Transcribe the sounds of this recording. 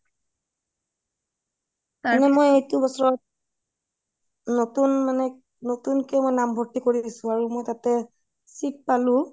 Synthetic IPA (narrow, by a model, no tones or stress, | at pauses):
anɛmojejtʊbɔsɔɹɔt̚ | notunmanɛ | notunkɛmojnambʱɔɹtikoɹidisʊ̃aɹumojtatɛ | sit̚palʊ̃